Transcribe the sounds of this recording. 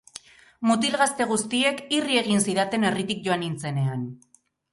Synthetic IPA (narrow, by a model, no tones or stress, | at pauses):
mut̪ilɣast̪e̞ɣ̞ust̪ie̞kirie̞ɣ̞insiðat̪e̞ne̞rit̪ik̚ʝo̞anint͡se̞ne̞an